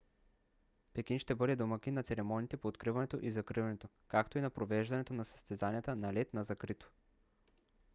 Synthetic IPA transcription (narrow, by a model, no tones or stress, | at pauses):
pɛk̟inʃt̪ɛbɤd̪ɛd̪omɐkinːɐt̪sɛɾɛmɔnʲit̪ɛpoːt̪kɾivɐnɛt̪o̰ʔizɐkɾivɐnɛt̪o | kakt̪oinɐpɾovɛʒd̪ɐnɛt̪onɐsɐ̥st̪ɛzanijɛt̪ənɐlɛt̪nɐzɐkɾit̪o̥